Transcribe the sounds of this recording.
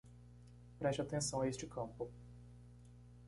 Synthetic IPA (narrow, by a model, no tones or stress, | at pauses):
pɾɛst͡ʃɪat̪ẽsɐ̃w̃ɐest͡ʃɪkʰɐ̃pʊ